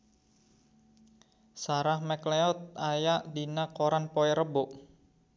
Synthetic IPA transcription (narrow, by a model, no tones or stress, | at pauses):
saɾahmɛkleɔt̪̚ajaʔdinakoɾanpɔɛɾəbʊʔ